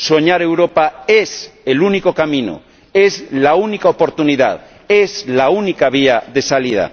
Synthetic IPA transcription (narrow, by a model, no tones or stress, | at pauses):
soɲaɾe̞wɾopaeselunikokamĩno̰ | ezlaunikaopoɾt̪uniða̰ð | ezlaunikaβ̞iaðe̞saliða̰